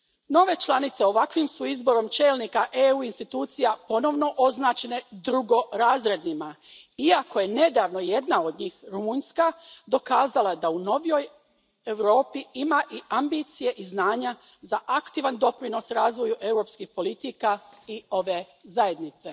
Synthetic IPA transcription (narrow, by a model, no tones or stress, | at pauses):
no̞ʋe̞t͡ʃlanit̪seo̞ʋakʋimsuizbo̞ɾo̞mt͡ʃe̞ːlˠnikaʔeuinst̪it̪uːt̪sijapo̞no̞ʋno̞ʔo̞znaːt͡ʃe̞ne̞d̪ɾuɡo̞ɾaːzɾe̞d̪nima | iako̞je̞ne̞d̪aːʋno̞je̞d̪nao̞d̪ɲiːxɾumuːɲskad̪o̞kaːzalˠad̪auno̞ʋjoj | ewɾo̞ːpiimaʔiʔambit̪sije̞ʔiznaːɲa | zaʔakt̪iːʋand̪o̞pɾino̞sɾaːzʋo̞juʔe̞wɾo̞ːpskixpo̞lit̪ikaio̞ʋe | zaje̞d̪nit̪se̞